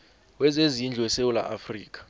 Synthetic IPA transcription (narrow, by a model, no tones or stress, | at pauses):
wɛzezind͡ɮʱɛsewula̰ʔafriːk̬ʼḁ